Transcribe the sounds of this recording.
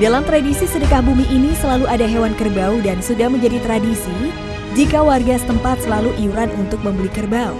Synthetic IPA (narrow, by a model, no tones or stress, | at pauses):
dalamt̪ɾadisisədəkahbumiʔːnisəlaluʔadaɦewankərbaudansudahməɲd͡ʒadit̪ɾadisi | d͡ʒikawarɡasə̥t̪əmpat̪̚səlaluʔiuɾanunt̪ʊk̚məmbəlikərbaṵ